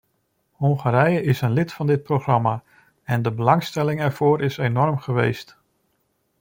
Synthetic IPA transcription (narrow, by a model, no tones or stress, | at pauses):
hʊŋχaɾɛjəɪsənlɪtfɑndɪt̚proχrɑma | ɛndəbəlɑŋstɛlɪŋɛɹv̥ʊːɾɪsejnɔrmχəʋḛjst